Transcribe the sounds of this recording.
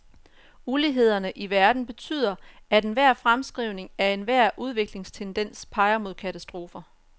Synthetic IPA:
uliɦe̝ð̞̰ˠɐnəʔiʋæɐd̥n̩b̥e̝t͡sʰy̰ːð̰ˠɐæd̥enʋæɐ̰fʁamsɡ̥ʁiʊ̰ne̝ŋæɐe̝nʋæɐ̰ʔuð̞ˠʋe̝ɡ̥le̝ŋst͡sʰend̥en̰spʰɑ̈ɪɐmo̝ð̰ˠkʰæt͡sʰæsd̥ʁo̝ːfɐ

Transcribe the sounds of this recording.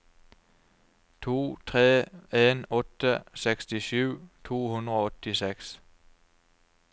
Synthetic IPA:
t͡sʰo̝̰ːt͡sʰʁɛːenɔ̽d̥əseɡ̥sd̥isyʊ̰tt͡sʰo̝̰ːhundʁəɒɔtiseɡ̥s

